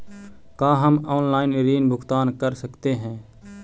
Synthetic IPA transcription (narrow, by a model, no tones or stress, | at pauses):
kaːɦəmɔːnlaːɪnɾiːnbʱʊkt̪aːnkəɾsəkt̪eɦɛ̃ː